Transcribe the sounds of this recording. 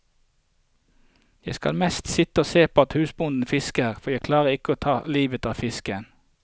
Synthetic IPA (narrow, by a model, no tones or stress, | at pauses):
jæɪskɑ̰lmɛst̪sɪt̪əoːseːpʰoːɑt̪hʉːsbʊnd̪n̩fɪskəʁfɔjæɪkʰlɑːʁəʁɪkəoːt̪ʰɑːliːʋət̪ɑːʋfɪskən